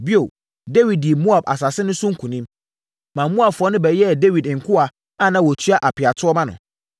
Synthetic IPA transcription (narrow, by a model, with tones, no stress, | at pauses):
bi˦o˨ | de˦wi˨d̚di˨e˨mũ˦a˨b̚a̰˨s̬a˨sɪ˦nʊ̃˦sʊ̃˦ŋ̩˦kʰũ˨nĩ˦m | mã˨m˦mũ˦a˨bfɔ˦nʊ̃˦bɛ˨jɛ˦˨de˦wi˨dŋ̩˨kʰʊ˦a˨ | a˦˨nã˦˨wɔ˨tʰy˦a˦ʔa˨pʰɪ˨a˨tʰʊ˦ɔ˦mã˦nʊ̰̃˨